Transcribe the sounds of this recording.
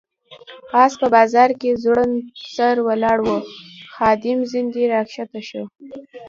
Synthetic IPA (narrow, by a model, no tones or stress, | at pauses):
ɑspəbɑzɑɾkezɽənsaɾwalɑɽwoxɑd̪ɪmzɪnd̪iɾɑkʃat̪aʃo